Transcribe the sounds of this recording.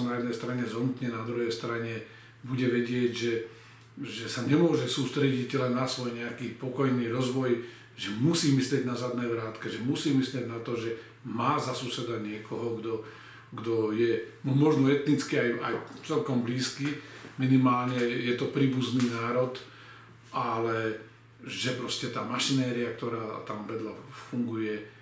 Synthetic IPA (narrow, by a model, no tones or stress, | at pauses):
najɛd̪nɛjst̪ɾaɲɛzɦɔnut̪ɲɛnad̪ɾuɦɛjst̪ɾaɲɛ | buɟɛʋɛɟɪɛʒɛ | ʒɛsaɲɛmʊɔʒɛsuːst̪ɾɛɟiɟlɛnːasʋɔjɲɛakiːpɔkɔjniːɾɔzʋɔj | ʒɛmusiːmislɪɛɟnazad̪nɛːʋɾaːt̪kɛʒɛmusiːmislɪɛɟnat̪ɔʒɛ | maːzasusɛd̪aɲɪɛkɔɦɔɡd̪ɔ | ɡd̪ɔjɛmmɔʒnɔɛt̪nit͡skiaja̰jt͡sɛlkɔmbliːskiminimaːlɲɛjɛt̪ɔpɾiːbuzniːnaːɾɔt̪ | ʔalɛ | ʒɛpɾɔscɛt̪aːmaʃinɛːɾiak̚t̪ɔɾaːt̪amʋɛd̪lafuŋɡujɛ